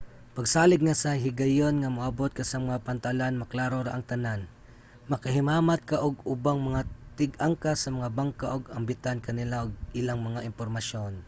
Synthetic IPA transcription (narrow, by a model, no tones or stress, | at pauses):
pɐɡsaːlɪɡ̚ŋasɐɦɪɡɐjonŋamaʔabot̪̚kasɐmɐŋapant̪alanmɐklaːɾoɾaʔaŋt̪ɐnan | mɐkaɦɪmaːmat̪̚kaʔoɡ̚ʊbaŋmɐŋat̪ɪɡaŋkasɐmɐŋabaŋkaʔoɡɐŋbɪt̪ankɐnɪlaʔoɡ̚ɪlaŋmɐŋaʔɪmpoɾmaʃon